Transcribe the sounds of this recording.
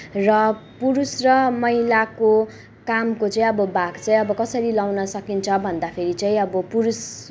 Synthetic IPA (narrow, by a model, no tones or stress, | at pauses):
rʌpuɾusrʌmʌilako | kamkot͡sʌĩʌbʌbaɡt͡saĩʌbʌkʌsʌɾilawnʌsʌkint͡sʰʌbʱʌnd̪apʰeɾit͡saĩʌbʌpuɾus